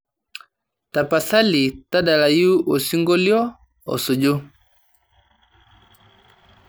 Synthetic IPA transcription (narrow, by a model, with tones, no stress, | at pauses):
ta˨pa˨sa˦li˨ta˦da˨la˨ju˦ʔo˨si˦ŋɡɔ˦ljɔ˦ | ɔ̰˨sɔ˨d͡ʒo˦